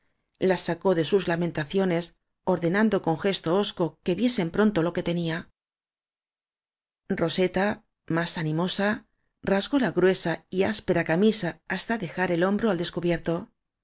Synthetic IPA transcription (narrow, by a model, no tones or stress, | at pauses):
lasːako̞ðe̞suzlamẽ̞nt̪aθjo̞ne̞s | o̞ɾðe̞nand̪o̞ko̞ŋxe̞st̪o̞osko̞ke̞βje̞se̞mpɾont̪o̞lo̞ke̞t̪e̞nia | ro̞se̞t̪a | masanimo̞sa | razɣo̞laɣɾwe̞saiaspe̞ɾakamisaːst̪aðe̞xaɾe̞lo̞mbɾoald̪e̞skuβje̞ɾt̪o̞